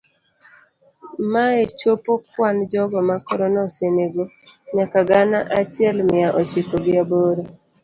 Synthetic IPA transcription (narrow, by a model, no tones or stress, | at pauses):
maet͡ʃopokwand͡ʒɔɡɔmakɔɾɔnɔseneɡo | ɲakaɡanaʔat͡ʃɪɛlmɪaʔɔt͡ʃɪkoɡɪaboɾo